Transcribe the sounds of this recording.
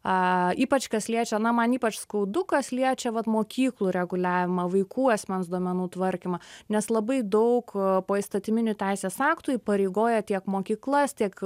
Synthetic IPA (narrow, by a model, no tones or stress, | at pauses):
ɐiːpɐt͡ʃkɐsʲlʲiɛt͡ʃʲɛnɐmɐniːpɐt͡ʃskɐʊd̪ʊkɐslʲiɛt͡ʃʲɛʋɐt̪moːkʲiːklˠuːɾʲɛɡʊlʲæːʋʲɪmɐʋɐɪkʰuːɑsʲmʲɛnsd̪oɔmʲɛnuːt̪ʋɐɾʲkʲɪmɐnʲɛslˠɐbɐɪd̪ɐʊkpoːɪst̪ɐt̪ʲɪmʲɪnʲʊtʲæɪsʲeːsɑːkt̪ʊiːpɐɾʲeɪɡoːjɛt̪ʲiɛkmoːkʲiːklˠɐst̪ʲiɛk